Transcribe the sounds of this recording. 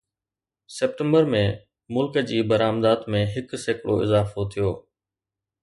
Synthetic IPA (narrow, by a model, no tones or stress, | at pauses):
seːp̚ʈə̃mbəɾmẽː | mʊlkəd͡ʑiːbəɾaːmd̪aːt̪mẽːɦɪkseːkɽo̰ːɪzaːfot̪ʰijoː